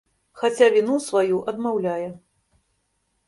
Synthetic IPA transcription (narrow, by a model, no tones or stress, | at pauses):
xat͡sʲavʲinusvajuʔɐd̪mawlʲajɛ